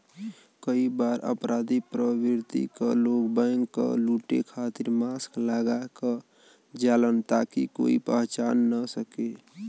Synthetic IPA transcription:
kəibaɾə̰pɾad̪ipɾəbiɾt̪ḭkəlokbəŋkːə̰luʈḛkʰat̪iɾmasklaɡakə | d͡ʒalənt̪akiko̰ːipəɦt͡ʃaːnːəsəke

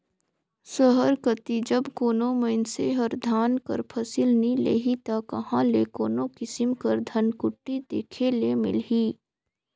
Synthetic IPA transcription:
səɦəɾkət̪id͡ʒɐbkoːnõməɪnseɦəɾd̪ʱaːnkɐ̰ɾpʰɐsɪlnilḛːɦit̪akɐɦãleːkoːnokɪsɪmkəɾd̪ʱɐnkʊʈːid̪eːkʰelemɪ̰lɦiː

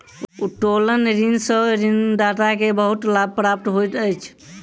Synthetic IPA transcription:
uʈolənɾinsəɾinɖat̪akebəɦut̪lab̚pɾap̚ʈ̪ɦojt̪əjt͡ʃʰ

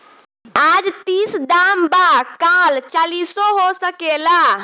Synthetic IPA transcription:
ad͡ʒt̪isd̪ambakalt͡ʃalisɔɦosəkela

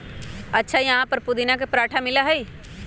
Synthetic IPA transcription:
ɐtːʃʰajɐɦãpəɾpʊd̪inak̬epɾaːʈʰamɪlaɦɛi

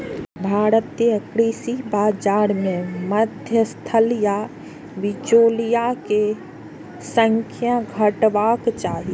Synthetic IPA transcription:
bʱaːɾət̪ːeəkɾiːsibaːd͡ʒaːɾmẽməd̪ʱjəst̪ʰəlja | ʋɪd͡ʒoːlijake | sə̃ŋkʰjãɡʱəʈʋaːkt͡ʃaːɦi

